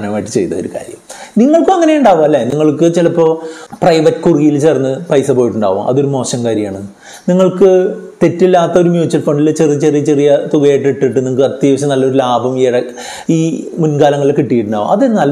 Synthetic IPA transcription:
ɳɐmaːjʈːɨ̥t͡ɕe̞jt̪ɐo̰ɾuka̰ːɾjɐ̰mniŋːɐɭkɨɐŋːɐnejuɳɖaːʋumɐlːeniŋːɐɭkɨt͡ɕilɐpːo̞ːprɐjʋɐtːkuriijilt͡ɕe̞ːrnːɨpɐjsɐpo̞ːjiʈːuɳɖa̰ːʋṵmʔɐ̰ðo̞ɾumo̞ːɕɐmkaːɾjɐmaːɳeɨ | niŋːɐɭkɨt̪e̞tːilːaːt̪ːɐo̞ɾumjuːt͡ɕːɐlfɐɳɖilt͡ɕerijɐt͡ɕerijɐt͡ɕerijɐt̪uɣɐjeʈːiʈːiʈːɨniŋːkːɨɐt̪ːiːʋɐɕːɐnɐlːɐo̞ɾulaːbɐmeɽɐ | iːmunkaːlɐŋːɐɭilkiʈːijiʈːuɳɖa̰ːʋṵmɐðenːaːlː

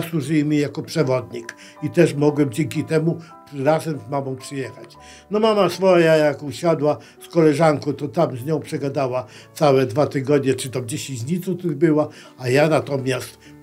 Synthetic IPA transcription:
swuʐɘjmʲijakɔpʂɛvɔd̪ɲik | it̪ɛʂmɔɡwɛmd͡ʑɛŋkʲit̪ɛmu | ɾazɛmzmamɔ̃w̃pʂɨjɛxat͡ɕ | nɔmamasfɔjajakuɕad̪wa | skɔlɛʐaŋkɔ̃t̪ɔt̪amzɲɔ̃w̃pʂɛɡad̪awa | t̪sawɛd̪vat̪ɘɡɔd̪ɲɛt͡ʂɨt̪ɔmd͡ʑeɕĩd͡ʑɲit̪sɔt̪uʐbɘwa | ajanat̪ɔmʲjast̪

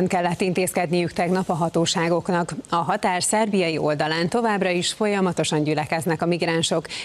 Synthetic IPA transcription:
ŋkɛlːɛt̪ːint̪eːskɛd̪nijykt̪ɛɡnɒpɒɦɒt̪oːʃaːɡo̞knɒkɒɦɒt̪aːrsɛrbijɒjiʔo̞ld̪ɒlaːnt̪o̞vaːbrɒiʃfo̞jɒmɒt̪o̞ʃɒɲɟylɛkɛznɛkɒmiɡɾaːnʃo̞k

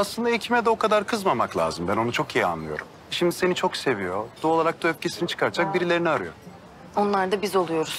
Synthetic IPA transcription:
aslˠɯnd̪aecʰimɛd̪ɛo̞kʰad̪aɾkʰɯzmamaklˠʲa̰ːzɯmbæno̞nut͡ʃʰo̞kijia̰nlˠɯ̰jo̞̰ɾum | ʃimd̪ise̞nit͡ʃʰo̞kse̞vijo̞d̪̥uo̞lˠaɾak̚d̪uøfcʰesinit͡ʃʰɯ̥kʰaɾd͡ʒʰak̚biɾilʲe̞ɾiniaɾɯjo̰ | o̞nlˠaɾd̪abizo̞lˠujo̞ɾuz̥

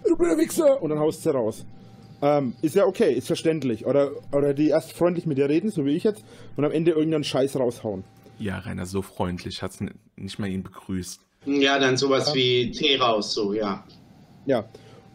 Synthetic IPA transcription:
bɪnəvɪksəʔʊntd̥anhaʊstsiːʁaʊs | ʔɛːmɪstjaːʔokʰeːʔɪstfɛɐʃtɛntlɪçʔoːɾɐʔoːɾɐdiːʔeːɐstfʁ̥ɔʏnt̬lɪçmɪt̚diːɐʁeːdn̩zoːviːɪçjɛt͡stʔʊntamʔɛndəʔɪɐɡŋ̩tanʃaɪsʁaʊshaʊən | ja̰ːʁa̰ɪnɐ̰zoːfʁ̥ɔʏntʰlɪçhats | nɪçtmaːliːnbəɡ̥ʁyːst | jaːdanzoːvasv̥iːt͡sʰeːʁaʊsz̥oːjaː | jaː

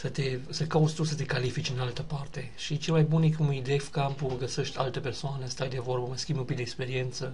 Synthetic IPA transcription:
sət̪e̞səkaut̪sʲt̪usət̪e̞kalifit͡ʃʲɨnalt̪əpart̪e̞ʃit͡ʃelmajbunekumid̪efkampuəɡəse̞ʃt̪ʲalt̪əpersoanəst̪ajd̪e̞vo̞rbəməskʲimbumpid̪ekspe̞ɾie̞nt̪sə

